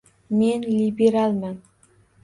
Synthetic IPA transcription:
me̞nlibeɾalˠman

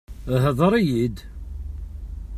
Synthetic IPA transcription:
ɦəðˤɾˤijid̪

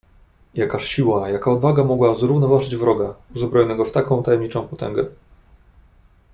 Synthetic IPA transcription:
jakaʂɕiwajakaɔd̪vaɡamɔɡwazɾuvnɔvaʐɘd͡ʑvɾɔɡauzbɾɔjɔnɛɡɔft̪akɔ̃w̃t̪ajɛmɲit͡ʂɔ̃w̃pɔt̪ɛ̰ŋɡɛ

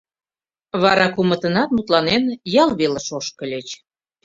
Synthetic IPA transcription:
βɑɾɑkumə̆t̪ə̆nɑt̪mut̪lɑnenjɑlβeləʃoʃkə̆lʲet͡ɕ

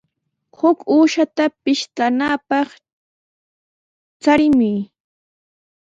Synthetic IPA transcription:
hʊkuːʃat̪apɪʃt̪anaːpɑχ | t͡saɾɪmʊj

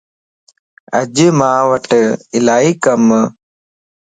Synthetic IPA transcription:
ɐd͡ʒmãːʋəʈɪlaːiːkɐm

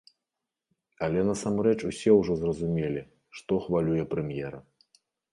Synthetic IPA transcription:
ɐlʲɛnɐsamrɛt͡ʂusʲɛwʐɔzrɐzumʲelʲi | ʂt̪ɔxvalʲujɛpɾɛmʲjɛɾɐ

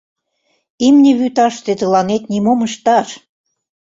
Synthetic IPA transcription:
imnʲĕβyt̪ɑʃt̪et̪ɤlɑnet̪nimomə̆ʃt̪ɑʃ

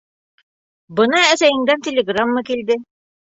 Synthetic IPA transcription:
bɤ̆nɑæsæjɘ̆ŋd̪ænt̪ʲelʲeɡramːɤkild̪ɘ

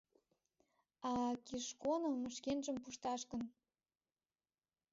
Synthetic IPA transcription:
ɑkiʃkonŏməʃkenʒəmpuʃt̪ɑʃkə̆n

